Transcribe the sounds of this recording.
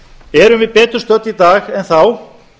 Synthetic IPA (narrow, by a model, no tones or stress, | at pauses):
ɛɾʏmvɪðpɛːt̪ʏɾ̥st̪œt̪ːit̪aːxɛnθaw